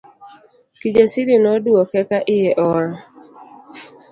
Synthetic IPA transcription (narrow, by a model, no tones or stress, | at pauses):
kid͡ʒesiɾinoduokekaʔɪɦeʔɔɾa